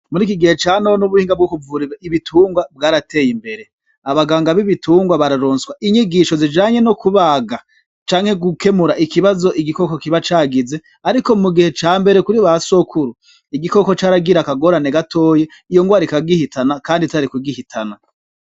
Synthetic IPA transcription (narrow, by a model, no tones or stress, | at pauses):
muɾiːkiɡihe̞t͡ʃaːnoonuβuhiːŋɡabɡokuvuːɾiɾaiβitʰuːŋɡwab̚ɡaːɾatʰe̞ːjimbe̞ɾe̞ | aβaɡaːŋɡaβiβitʰuːŋɡwaβaɾaɾoːnswaʔiɲiɡiʃo̞zid͡ʒaːɲe̞nokuβaɡa | t͡ʃaːŋ̥he̞ɡuke̞muɾaʔikiβazo̞ʔiɡiko̞ko̞kiβat͡ʃaːɡize̞ | aɾiko̞muɡihe̞t͡ʃaːmbe̞ɾe̞kuɾiβaso̞kʰuɾu | iɡiko̞ko̞t͡ʃaːɾaɡiɾakaɡo̞ːɾane̞ɡatʰo̞ːje̞ | ijo̞ŋɡwaːɾikaɡihitʰanakaːnditaɾikuɡihitʰana